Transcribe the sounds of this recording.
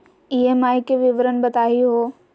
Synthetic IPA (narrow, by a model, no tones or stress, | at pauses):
iemaːikeʋɪʋɾənbɐt̪aːiɦoː